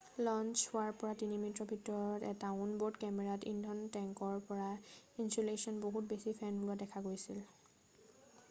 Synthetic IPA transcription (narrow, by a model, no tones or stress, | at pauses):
lɔnt͡ʃhʊaɹpɔɹatinimintɹɔbʱitɔɹɔtɛ̰taʊnboɹdkɛmɛɹatḭndʱɔntɛŋkɔɹpɔɹainsulesɔnboɦut̚besipʰɛnbulɔdɛkʰaɡojsil